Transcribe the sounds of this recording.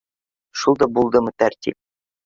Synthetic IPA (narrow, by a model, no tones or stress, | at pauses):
ʃulˠd̪ɑbulˠd̪ɤmɤt̪æɾt̪ʲḭp̚